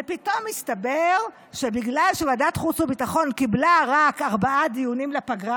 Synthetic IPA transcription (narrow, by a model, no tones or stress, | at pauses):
epit̪o̞mist̪abeʁ | ʃebiɡlalʃevadat̪χut͡subitaχo̞nkiblaʁakaʁbaʔad̪ijunimlepaɡʁa